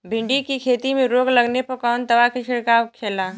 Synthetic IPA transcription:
bʱɪ̃ɳɖikikʰeːt̪imẽɾoːɡlɐɡnepɐɾkɔːnt̪ɐʋakiʃɪɽkaːʋkʰːeːlaː

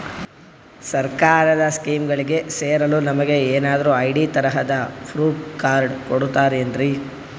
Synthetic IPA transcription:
sɐɾkaːɾɐd̪ɐskiːmɡɐɭiɡe̞seːɾɐluːnɐmɐɡe̞eːnaːd̪ɐɾuɐjɖit̪ɐɾɐɦɐd̪ɐpʰɾuːkaːɾɖkoɽut̪ːaːɾeend̪ɾi

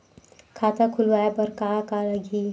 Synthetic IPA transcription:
kʰaːt̪akʰʊlʋaːjabɐɾkakalɐɡʱiː

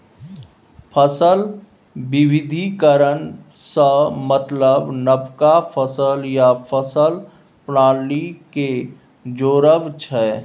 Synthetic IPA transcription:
pʰəsəl | bɪwɪd̪ʱikəɾən | səmət̪ləbnəbkapʰəsəljapʰəsəl | pɾãːlike | d͡ʒoːɾəʋt͡ʃʰɛː

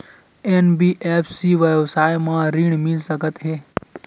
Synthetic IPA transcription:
enbiːʔeːpʰsiʋəʋsaːjmãɾiɽ̃mɪlsəkət̪ɦɛː

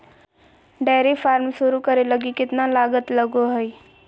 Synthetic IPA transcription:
ɖaːɾefʰaːɾmʃʊɾukəɾeləɡikɪt̪nalaːɡət̪ləɡoɦɛj

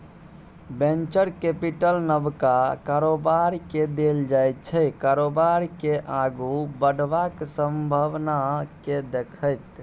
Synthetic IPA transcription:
bẽnt͡ʃəɾkepiʈəlnəbkakaɾobaɾiked̪eld͡ʒajt̪̚t͡ʃʰəkaɾobaɾkeʔaɡubəɽʋaksəmbʱəʋnaked̪ekʰəjt̪

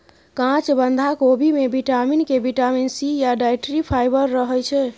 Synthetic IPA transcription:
kãt͡ʃbənd̪ʱakobʱimebiʈaminkebiʈaminsijaɖajʈɾipʰajbəɾːəɦəjt͡ʃʰɛ

